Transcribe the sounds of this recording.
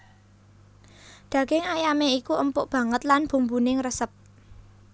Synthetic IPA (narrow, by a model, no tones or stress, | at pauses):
d̥ä̤ɡ̥ɪŋajameikuʔəmpʊʔb̥ä̤ŋət̪lanb̥ṳmbunɪŋrəsəp̚